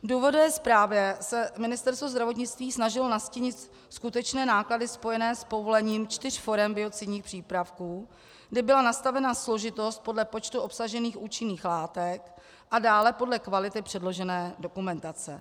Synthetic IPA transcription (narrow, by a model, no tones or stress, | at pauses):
duːvo̞duvɛːspɾaːvjɛsɛmɪnɪst̪ɛɾst̪vozd̪ɾavo̞t̪̬ɲɪt͡st̪viːsnaʒɪlnasciɲɪt̪ | skut̪ɛt͡ʃnɛːnaːkladɪspo̞jɛnɛːspo̞vo̞lɛɲiːmt͡ʃt̪ɪr̝̥fo̞ɾɛmbɪo̞t͡sɪdɲiːxpr̥iːpɾafkuː | ɡdɪbɪlanast̪avɛnaslo̞ʒɪt̪o̞st̪̚po̞dlɛpo̞t͡ʃt̪uo̞psaʒɛniːxʔuːt͡ʃɪniːxlaːt̪ɛk | ʔadaːlɛpo̞dlɛkvalɪt̪ɪpr̥ɛdlo̞ʒɛnɛːdo̞kumɛnt̪at͡sɛ̰